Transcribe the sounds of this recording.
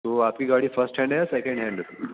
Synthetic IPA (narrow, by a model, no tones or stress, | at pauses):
t̪oapkiːɡaɽiːfəɾsʈɦɛ̃ɳɖajasekə̃ɳɖɦɛ̃ɳɖ